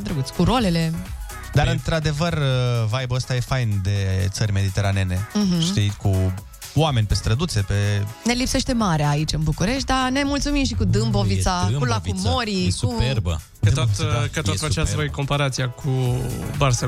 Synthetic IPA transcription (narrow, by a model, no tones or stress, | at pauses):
ed̪ɾəɡut̪sʲkuɾole̞le̞ | d̪aɾɨnt̪ɾad̪e̞vərəvajbəəst̪aje̞fajnd̪e̞t̪sərʲme̞d̪it̪e̞ɾaneneɦ̩ʃt̪ijku | oame̞nʲpe̞st̪ɾəd̪ut̪se̞pe̞ne̞lipse̞ʃt̪e̞maɾeaːit͡ʃɨnbukuɾe̞ʃt̪̚d̪anemult̪sumimʃikud̪ɨmbovisakulakumo̞ɾiksuuerb̰ | t̪ot̪kətot̪fət͡ʃasvojko̞mpaɾat̪sijakʰubarse